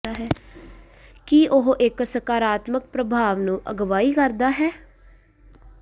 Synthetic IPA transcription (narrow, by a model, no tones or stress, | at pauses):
aːɦɛː | kiːʔʊɦʔɪksəkaːɾaːt̪mək̚pɾəbʱaːʋnũːʔəɡʋaːiːkəɾd̪aːɦɛː